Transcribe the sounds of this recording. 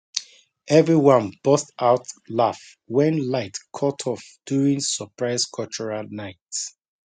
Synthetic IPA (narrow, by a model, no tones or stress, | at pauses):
ʔɛvɹiwʌ̃nb̥ɔstaʊtlaf | wɛ̃nlaɪtkʰɔtʰɔfd̥juɹĩŋsəpʰɹaɪskʰɔt͡ʃɔɹalnaɪt